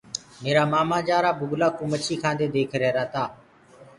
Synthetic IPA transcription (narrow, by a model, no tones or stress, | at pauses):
meːɾaːmaːmãːd͡ʒaːɾaːbʊɡlaːkʊmət͡ʃʰiːkʰãːnd̪eːd̪eːkʰɾeːɾaːt̪aː